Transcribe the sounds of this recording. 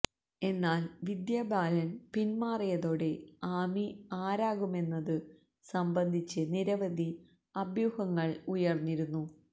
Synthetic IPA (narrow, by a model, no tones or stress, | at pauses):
e̞nːaːlʋid̪jaːbaːlɐnpinmaːrijɐðo̞ːɽe̞aːmiaːɾaːɣume̞nːɐðɨ | sɐmbɐnd̪ʱit͡ɕːɨniɾɐʋɐd̪ʱi | ɐbʱjuhɐŋːɐɭujɐrnːiɾunːu